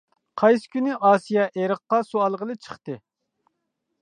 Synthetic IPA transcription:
qʰɑjsɪ̥kʲynɪʔɑːsijɑʔeɾəqːɑsuɑlˠʁəlˠɨt͡ʃʰə̥χt̪ɨ

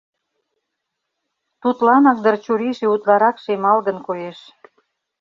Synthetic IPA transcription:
t̪ut̪lɑnɑk̚d̪ərt͡ɕuɾiʃeut̪lɑɾɑkʃemɑlɣənkojeʃ

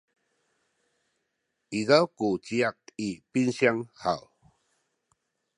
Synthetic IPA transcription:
izawkut͡ɕiak̚ipinsiaŋha̰w

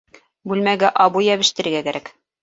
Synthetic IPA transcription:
bʉlmæɡæʔɑbujæβɘ̆ʃt̪ɘ̆ɾɘ̆ɡækæɾæk

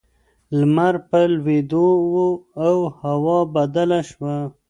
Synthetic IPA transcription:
lmaɾpəlwed̪owoawhawɑbad̪alaʃwa

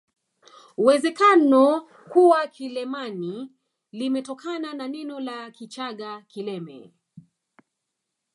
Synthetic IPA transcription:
uwɛzɛkanɔ | kuwakʰilɛmani | limɛtɔkʰanananɛnɔlakit͡ʃaɠakilɛmɛ̰

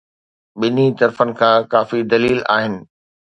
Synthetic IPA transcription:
ɓɪnit̪ɐɾfənɪ̆kʰãːkaːfid̪ɐliiːla̰ːɦɪnɪ̆

